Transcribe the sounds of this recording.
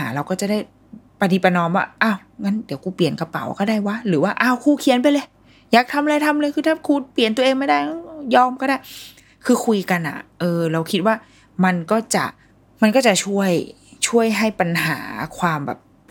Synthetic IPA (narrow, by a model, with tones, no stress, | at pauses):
aː˩˦ɾa˧wkɔː˥˩t͡ɕa˨˩da˥˩j | pa˧ni˧˩pːa˧nɔː˧mwaː˥˩ʔaː˧˩wŋa˦˥ndi˨˩˦əwkuː˧pi˨˩ənka˧pa̰˨˩˦wkɔː˥˩daː˥˩jwa˦˥ɾɯː˩˦waː˥˩ʔa˧˩wkʰuː˧˩kʰi˧˦ənpa˧jlɤː˧j | jaː˨˩k̚t̪ʰa˧mlɤː˧jt̪ʰa˧mlɤː˧jkʰɯː˧t̪ʰaː˥˩kʰuː˧pli˨˩ənt̪u˧ʔeː˧ŋma˥˩jdaː˥˩ja˥jɔː˧mkɔː˥˩daː˥˩j | kʰɯː˧kʰu˧jka˧nʔa̰˨˩ʔɤː˧ɾa˧wkʰi˦˥t̪̚waː˥˩ | ma˧nkɔː˥˩t͡ɕa̰˨˩ʔ | ma˧nkɔː˥˩t͡ɕa˨˩t͡ɕʰu˥˩əj | t͡ɕʰu˥˩əjɦa˥˩jpa˧nɦa̰ː˩˦kʰwaː˧mbɛ̰ː˨˩p̚